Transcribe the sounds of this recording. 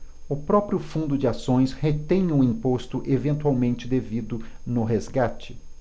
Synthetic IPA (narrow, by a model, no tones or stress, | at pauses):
ʊpɾɔpɾiʊfũnd̪ʊd͡ʒɪasõj̃shet̪ẽj̃ũĩpost̪ʊʔevẽnt̪uawmẽnt͡ʃɪd̪evid̪ʊnʊɦezɡat͡ʃɪ̥